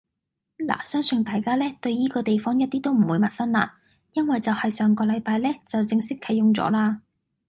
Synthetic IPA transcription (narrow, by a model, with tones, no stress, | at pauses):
la̰ː˨˩sœː˥ŋsɵ˧nt̪aː˨jkaː˥lɛː˥t̪ɵ˧ɥjiː˥kɔː˧t̪e˨jfɔː˥ŋjɐ˥t̚t̪iː˥t̪o˥wm̩˨˩wuː˨˧jmɐ˨t̚sɐ˥nla̰ː˧ | jɐ˥nwɐ˨jt͡sɐ˨whɐ˨jsœː˨ŋkɔː˧lɐ˨˧jpaː˧jlɛː˥t͡sɐ˨wt͡sɪ˧ŋsɪ˥kʰːɐ˨˩jjʊ˨˩ŋt͡sɔ̰ː˨˥laː˧